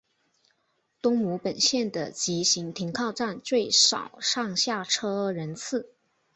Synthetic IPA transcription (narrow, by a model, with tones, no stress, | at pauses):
t̪ʊ˥ŋmu˧˥pə˨˩nɕjɛ˥˩nd̪ə̰˩t͡ɕi˧˥ɕi˧˥ŋt̪ʰi˧˥ŋkʰɑ˥˧ʊʈ͡ʂa˥˧nt͡swe˥˩ɪʂɑ̰˨˩ʊʂɑ˥˧ŋɕja˥˩ʈ͡ʂʰɤ˥ɻə˧˥nt͡sʰɹ̩˥˩